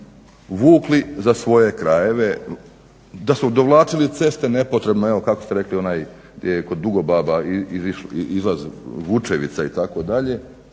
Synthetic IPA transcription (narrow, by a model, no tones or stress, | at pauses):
ʋuːklizasʋo̞jekɾaje̞ʋe | d̪asud̪o̞ʋlˠaːt͡ʃilit̪se̞st̪e̞ne̞po̞t̪ɾe̞bnoeʋokakost̪e̞ɾe̞klio̞naːj | ɡd̪jejeko̞d̪ːuɡo̞baːbaiiziʃizlˠazʋut͡ʃeʋḭt̪sait̪ako̞d̪aʎe̞